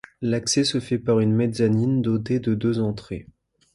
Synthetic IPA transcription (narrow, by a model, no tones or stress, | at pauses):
laksɛsəfɛpaʁynmed̪zanind̪ot̪ed̪əd̪øzɑ̃t̪χḛ